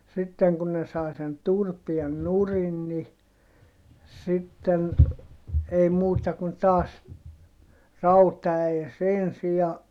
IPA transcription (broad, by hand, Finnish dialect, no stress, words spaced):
sitːeŋ kun ne sɑi sen turpien nurin ni sitːen ei muːtɑ kun tɑːs rɑutɑæjes ensi jɑ